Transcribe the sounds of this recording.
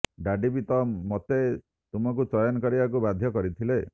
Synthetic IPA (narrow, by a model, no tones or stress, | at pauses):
ɖaɖibit̪ɔmot̪e | t̪umɔk̬ut͡ʃɔjɔnkɔɾibakubad̪ʱjɔkɔɾit̪ʰile